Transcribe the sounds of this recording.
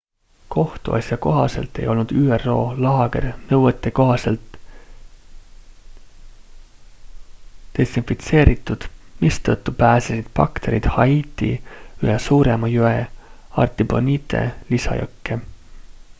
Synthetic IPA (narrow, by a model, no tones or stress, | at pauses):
kʰo̞ht̪ṵʔɑ̰sʲjɑko̞ɦɑse̞̰lt̪ːˑe̞jo̞lnud̪̥yːerːo̞ːlɑːɡ̥e̞rnɤwet̪ːˑe̞ko̞ɦɑse̞lt̪ | e̞sinfit̪se̞ːɾit̪ːˑud̪̥mist̪ɤt̪ˑːupæːsesid̪̥̚pɑ̰kt̪e̞ɾḭd̪̥hɑiːt̪ːˑḭyhesuːɾe̞mɑjueɑ̰rt̪ˑiboniːt̪ʰˑe̞̰lisɑ̰jø̰kːe